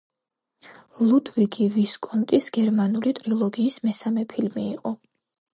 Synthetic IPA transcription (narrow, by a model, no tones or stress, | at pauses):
lˠud̪viɡʰiviskʼɔnt̪ʼisɡ̥ɛɾmanulit̪ʼɾilˠɔɡiːsmɛsamɛpʰilmiːqʼɔ